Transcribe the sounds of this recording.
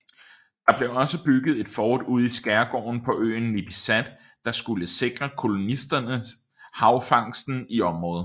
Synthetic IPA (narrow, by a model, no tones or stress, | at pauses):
d̥ɑ̈b̥le̝ɒ̽səb̥yɡ̥ð̞̩ˠe̝d̥fɒːd̥uð̰ˠisɡ̥æɐɡ̥ɒ̰ːnpʰɒ̽ʔø̰ːn̩lib̥isæd̥ː | ɑ̈sɡ̥uləse̝ɡ̥ʁɐkʰo̝lo̝nisd̥ɐnə | hɑ̈ʊfɑ̈ŋ̰sd̥n̩iɒ̽mʁɔ̽ːð̩ˠ